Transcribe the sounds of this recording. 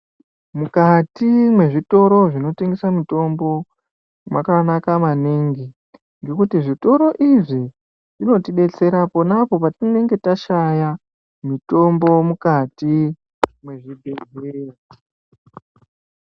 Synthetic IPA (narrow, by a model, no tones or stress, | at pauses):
mukatimwe̞ʐito̞ɾo̞ʐino̞teŋɡe̞samito̞mbo̞ | mwakanakamaneŋɡi | ŋɡe̞kutiʐito̞ɾo̞ʔiʐi | ʐino̞tiɓe̞t͡se̞ɾapo̞napo̞patine̞ŋɡe̞taʃaja | mito̞mbo̞mukati | mwe̞ʐibʱed͡zera